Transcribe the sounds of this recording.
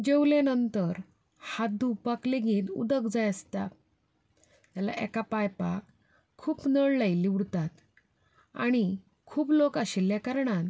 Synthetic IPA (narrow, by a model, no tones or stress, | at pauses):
d͡ʑewlanənt̪əɾ | hat̪̚d̪upakleɡiːt̪ṵd̪əkd͡zajəst̪a̰ | t̪jala̰ʔɛ̰kapajpakʰː | uːpnəɭləjliʋɽt̪at̪ | a̰ɽ̃i | kʰuːplokaɕiljakəɾɳan